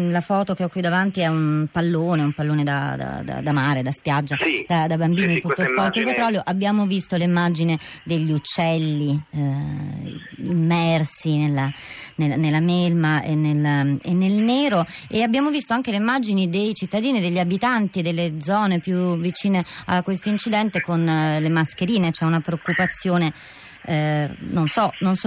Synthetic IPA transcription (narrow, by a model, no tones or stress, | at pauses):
lafɔːt̪okeɔkːwid̪ːavant̪iɛunpalːoːneumpalːoːned̪a̰d̪a̰d̪a̰d̪amaːɾed̪aspjad͡ʒːad̪ad̪abambiːniput̪ospɔrt̪ilpet̪ɾɔljoʔabːjaːmovist̪olimːad͡ʒined̪eʎːiut͡ʃːɛlːi | imːɛrsinelːanenelːamelmaʔenelenːelneːɾoeabːjaːmovist̪oaŋk̟eleimːad͡ʒinid̪ejt͡ʃit̪ːad̪iːnid̪eʎːabit̪ant̪id̪elːed̪zɔːnepjuvit͡ʃiːneakːwest̪oint͡ʃid̪ɛnt̪ekonlemaskeɾiːnet͡ʃɛunapɾeokːupat̪sːjoːne | nonsɔnons